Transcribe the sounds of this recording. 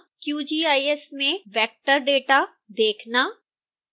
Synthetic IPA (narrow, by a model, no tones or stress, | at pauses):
kjuːd͡ʒiːaːiɛsmẽʋɛːk̚ʈəɾɖeːʈa | d̪eːkʰnaː